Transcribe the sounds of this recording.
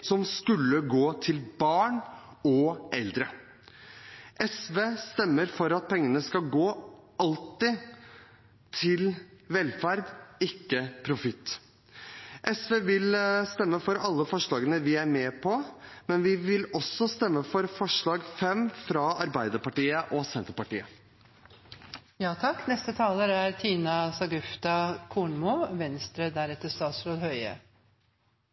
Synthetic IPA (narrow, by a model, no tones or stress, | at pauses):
sɔmskʉlːəɡoːt̪ʰɪlbɑːɳ | ɔʔɛld̪ɾə | ʔɛsʋeːst̪ɛmːəɾfɔɾɑt̪̚pʰɛŋːənəskɑlɡoːɑlt̪ɪ | t̪ʰɪlʋɛlfæɾd̪ɪkːəpʰɾʊfɪt̪ː | ʔɛsʋeːʋɪlst̪ɛmːəfɔɾɑlːəfɔʂɭɑːɡənəʋɪæɾmeːpʰɔmɛnʋɪʋɪlɔsɔst̪ɛmːəfɔɾfɔʂɭɑːɡfɛmfɾɑɑɾbæɪd̪əɾpɑʈiːəʔɔsɛnt̪əɾpɑʈḭːə | jɑːt̪ʰɑkːnɛst̪ət̪ʰɑːləɾæɾt̪ʰiːnɑsɑɡʉft̪ɑkʰuːɳmuːʋɛnst̪ɾəd̪æɾɛt̪ːəst̪ɑːt̪sɾoːd̪hœʏə̰